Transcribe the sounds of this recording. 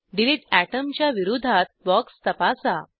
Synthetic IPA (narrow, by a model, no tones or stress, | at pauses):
ɖiliʈæʈəmt͡ɕjaʋiɾud̪ʱat̪̚bɔkst̪əpasa